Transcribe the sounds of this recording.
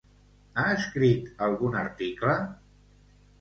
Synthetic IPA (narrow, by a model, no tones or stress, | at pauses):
aəskɾit̪əlˠɣunəɾt̪iklə